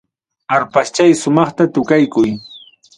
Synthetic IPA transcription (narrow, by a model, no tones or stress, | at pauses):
aɾpast͡ʃajsʊmɑχt̪at̪ʊkajkʊj